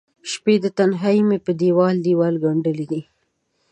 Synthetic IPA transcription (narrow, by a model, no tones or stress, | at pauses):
ʃped̪ət̪anɦajmepəd̪iwɑld̪iwɑlɡaɳɖəlid̪i